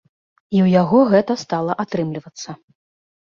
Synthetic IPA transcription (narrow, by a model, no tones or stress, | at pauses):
iwjaɣɔɣɛt̪ɐst̪alˠɐʔat̪ɾɨmlʲivɐt̪sːɐ